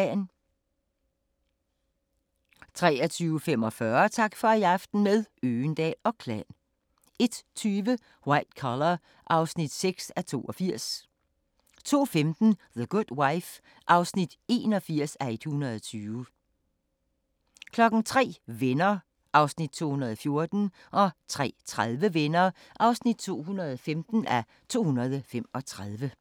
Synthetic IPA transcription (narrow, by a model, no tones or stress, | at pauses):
n | t͡sʰʁɛ̰ːɒt͡sʰyːʊfemɒ̽fɶːɐt͡sʰɑ̈ɡ̥fɒ̽æɑfd̥n̩meðˠøːnd̥ɛ̰ːɒ̽kʰlɛ̰n | e̝d̥t͡sʰyːʋə | wɑ̈ɪ̰d̥kʰɒlɐ | ʔɑ̈ʊsnid̥seɡ̥sæt͡sʰo̝̰ːɒfiɐ̰s | t͡sʰo̝̰ːfemd̥n̩ðəɡ̥ud̥waɪf | ʔɑ̈ʊsnid̥e̝̰ːnɒ̽fiɐ̰sæe̝d̥hunɐðˠɒt͡sʰyːʋə | kʰlɒ̽ɡ̥n̩t͡sʰʁɛ̰ːʋenɐː | ʔɑ̈ʊsnid̥̚t͡sʰo̝̰ːhunɐð̞̩ˠɒfjo̝ɐd̥n̩ | ʔɒ̽t͡sʰʁɛ̰ːt͡sʰʁaðˠʋəʋenɐː | ʔɑ̈ʊsnid̥̚t͡sʰo̝̰ːhunɐðˠɒfemd̥n̩æ | t͡sʰo̝̰ːhunɐð̞̩ˠfem̰ɒ̽t͡sʰʁað̞ˠʋə